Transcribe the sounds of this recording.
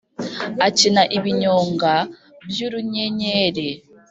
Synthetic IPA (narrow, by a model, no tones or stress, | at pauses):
acinaʔiβiɲoːŋɡa | bjuɾuɲeɲeːɾe